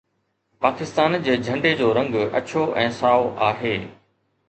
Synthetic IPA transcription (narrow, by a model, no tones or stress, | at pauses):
paːkɪst̪aːnd͡ʑeːd͡ʑʱɐ̃ɳɖed͡ʑoːɾɐ̃ŋɡɐ̰t͡ɕʰoʔɛ̃ːsaːoʔaːɦeː